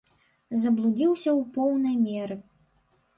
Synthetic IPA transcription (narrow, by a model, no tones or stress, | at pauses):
zɐblˠud͡zʲiwsʲɐwpɔwnɐjmʲɛɾɨ